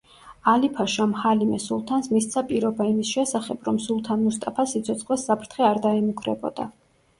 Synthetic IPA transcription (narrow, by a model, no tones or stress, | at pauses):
alipʰaʃamhalimɛsulˠt̪ʰansmist̪sʰapʼiɾɔbaimisʃɛsaχɛbɾɔmsulˠt̪ʰanmust̪ʼapʰasit̪sʰɔt̪sʰχwɛsːapʰɾt̪ʰχɛaɾd̪aɛmukʰɾɛ̰bɔ̰d̪̥a̰